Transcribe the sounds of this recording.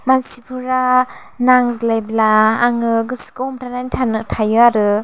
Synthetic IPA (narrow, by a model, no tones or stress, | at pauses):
mansipʰuɾa | naŋzlajblaːŋɯɡɯskɔɔmtʰanajntʰanɯtʰajɯaɾɯ